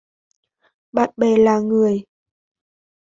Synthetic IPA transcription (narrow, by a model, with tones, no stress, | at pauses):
ɓa̰ː˨t̚ɓɛ˨˩laː˨˩ŋɨ˨˩əj